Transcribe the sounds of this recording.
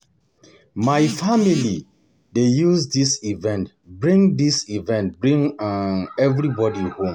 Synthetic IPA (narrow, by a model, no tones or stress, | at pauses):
maɪfamili | dejuzdisivɛ̃nt | bɹĩŋdisivɛ̃nt̚bɹĩŋ | ɛvɹibɔdihõm